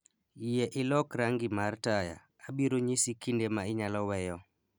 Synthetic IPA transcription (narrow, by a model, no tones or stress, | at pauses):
ijeʔɪlɔkɾaŋɡimartaja̰ːbiɾoɲisikindemaɪɲalɔwɛjɔ